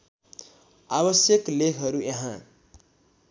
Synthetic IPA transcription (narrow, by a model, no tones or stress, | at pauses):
abʌsjʌklekʰɦʌɾujeɦã